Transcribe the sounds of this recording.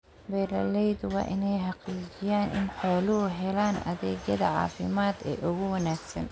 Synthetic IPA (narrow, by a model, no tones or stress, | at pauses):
bɛːɾɐ̰lɛjd̪wɑ̰ːʔɪnɛjħɑqiːt͡ʃɪjaːnʔɪ̰nħɔːlʊɦʊɦɛlaːnɐ̰ðɛːd͡ʒɐðɐ̰ʕɑ̰ːfɪmaːd̪ɛ̰ːʔʊɣʊwɐnaːɡsɐ̰n